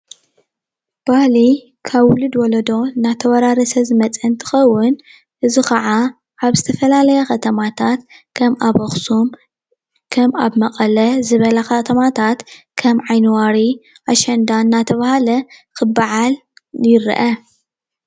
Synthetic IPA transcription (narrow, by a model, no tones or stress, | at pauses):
b̥ahli | kʰaβwʊlɨd̪wɔlɐd̪o̞ɨnat̪ʰɐwɐɾaɾɐsɐzɨmɐt͡sʼɐnt̪ʰɨ̥xɐwːʊn | ʔɨzikɐʕa | ʔaβzɨt̪ʰɐfɐlalɐjɛxɐt̪ʰɐmat̪ʰat̪kʰɐmaβoxsum | kʰɐmaβmɐqʼɐlɐzɨβɐlɐxɐt̪ʰɐmat̪ʰat̪ | kʰɐmʕajnɨwaɾi | ʔaʃɐnd̪anːat̪ʰɐβahalɐkʰɨbːaʕaljɪɾḭʔɐ